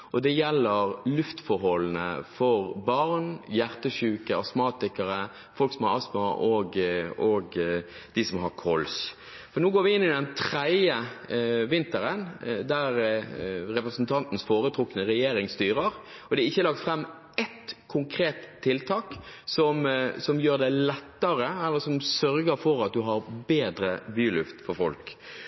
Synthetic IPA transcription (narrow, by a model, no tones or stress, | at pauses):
ʔɔd̪ɛjɛlːəʁlʉft̪fɔɾhɔlːnə̰fɔʁbɑɾnjæʁt̪əɕʉːkəɑsmɑːt̪ɪkəɾə | fɔlksɔmhɑɾɑsmɑʔɔɡɔɡ | d̪̥ɪsɔmɦɑɾkʰɔls | fɔɾnuːɡoːʋɪɪnːɪd̪ɛnt̪ʰɾæɪəʋɪnt̪əɾənd̪æɾ | ɾɛpɾəsnt̪ʰɑnt̪n̩sfoːɾət̪ʰɾʊkːənəɾɛjeːɾɪŋst̪yːɾəɾ | ɔd̪ɛɪçːəlɑk̚t̪fɾɛmː | ɛt̪kʰʊŋkʰɾeːt̪ʰːɪlt̪ʰɑːksɔmsɔmjøːɾd̪ɛlɛt̪ːəɾəɛlːəɾsɔmsœɾɡəɾfɔɾɑt̪̚d̪ʉɦɑɾbeːd̪ɾəʋyːlʉft̪fɔɾfɔ̰lk